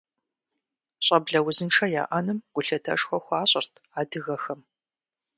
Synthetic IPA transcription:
ɕʼɐbɮɐwʊzɨnʈ͡ʂʰɐja̰ːʔɐnɨmɡ̥ʷʊɬɐtʰɐ̰ʂxʷɔxʷaːɕʼɪrtʰaːdɨɣɐxɐm

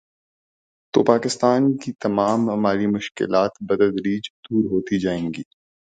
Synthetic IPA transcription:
t̪o̰ːpaːkɪst̪aːnkit̪ɐmaːmɐmaːɾimʊʃkɪ̰laːt̪bɐd̪əld̪ɾiːd͡ʒd̪uːɾɦoːt̪id͡ʒaːẽːŋɡiː

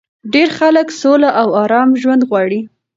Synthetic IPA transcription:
ɖeɾxaləksolaʔawɑɾɑmʒwand̪ɣwɑɽi

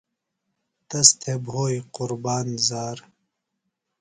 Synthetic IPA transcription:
t̪ɐst̪ʰebɦoːjqʊɾbaːnzaːɾ

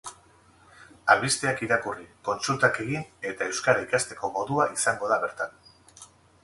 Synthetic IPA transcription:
aβist̪eakiɾakuriko̞nsult̪ake̞ɣine̞t̪ae̞wskaɾaikast̪e̞ko̞mo̞ðuaisaŋɡo̞ðaβe̞ɾt̪an

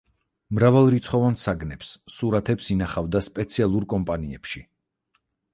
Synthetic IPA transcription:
mɾavalˠɾit̪sʰχɔvansaɡnɛpsːuɾat̪ʰɛpsinaχavd̪aspʼɛt̪sʰialˠuɾkʼɔmpʼaniɛpʃi

